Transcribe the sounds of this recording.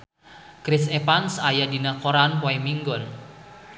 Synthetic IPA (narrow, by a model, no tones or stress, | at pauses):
kɾɪsepansajadinakoɾanpɔimiŋɡɔn